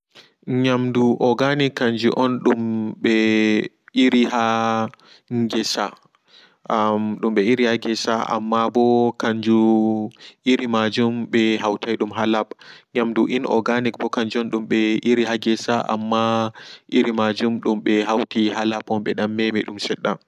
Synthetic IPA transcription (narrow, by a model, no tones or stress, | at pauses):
ɲamduʔɔɡanikːaɲd͡ʒṵʔɔnɗumɓɛ | ʔiɾiɦa | ŋɡɛsa̰ | mɗumɓɛiɾihaɡɛsa̰ʔa̰mːabɔkaɲd͡ʒu | ʔiɾimad͡ʒumɓɛɦawtʰajɗumɦalab̚ɲamduʔinʔɔ̰ɡanikbɔkaɲd͡ʒuɔnɗumɓɛʔiɾiɦaɡɛsaʔa̰mːaʔiɾimad͡ʒumɗumɓɛɦawtiɦalabɔnɓɛɗamːemiɗumsɛɗːa